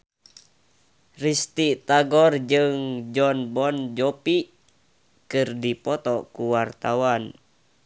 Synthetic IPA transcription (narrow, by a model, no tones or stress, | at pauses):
rist̪it̪aɡɔrd͡ʒɨŋd͡ʒɔnbɔnd͡ʒɔpi | kɨrdipɔt̪ɔkuwart̪awan